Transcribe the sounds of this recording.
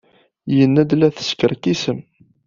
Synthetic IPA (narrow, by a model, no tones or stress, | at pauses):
jənːæd̪læθə̥skəɾkisəm